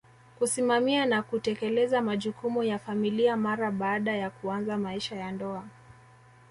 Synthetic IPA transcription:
kusimamianakutɛkɛlɛzamaʄukumujafamiliamaɾaɓaːɗajakuanzamaiʃajandɔa

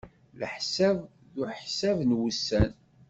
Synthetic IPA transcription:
ləħsæv | ðuħsævnwusːæn

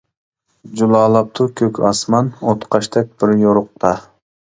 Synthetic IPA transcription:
d͡ʒulˠɑːlˠɑp̚t̪ʰukʲʰøkʲʰɑsmɑnot̪qʰɑʃt̪ʰɛk̚ʲbɪɾjoɾʊq̚t̪ʰɑ

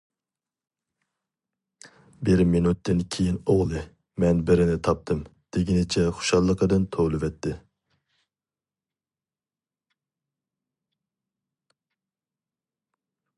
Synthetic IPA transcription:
bɪɾminut̪ːɪnkʲʰejinoʁlˠɨ | mɛnbɪɾɪnɪt̪ʰɑp̚t̪ʰɨmd̪̥ɪɡʲinɪt͡ʃʰɛχʊ̥ʃɑlˠːəqʰəd̪ɨnt̪ʰolˠɨvɛt̪ʰːɪ

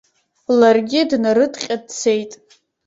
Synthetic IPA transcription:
larɡʲɪdnaɾɨtʼqʲʼadt͡sʰe̞jtʼ

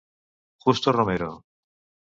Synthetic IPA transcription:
xust̪oromeɾo

